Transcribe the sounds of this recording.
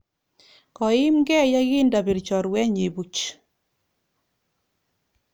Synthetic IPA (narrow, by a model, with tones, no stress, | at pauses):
kɔ˨ɪ˦mɡɛ˦˨ja˦ɣɪ˦nda˨bi˨ɾt͡ʃɔ˨ɾwɛ˦ɲe˨bu˨t͡ʃ